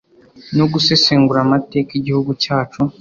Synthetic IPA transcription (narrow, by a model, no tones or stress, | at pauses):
no̞ɡuseseːŋɡuɾamate̞ːkeɟihuɡucaːt͡ʃu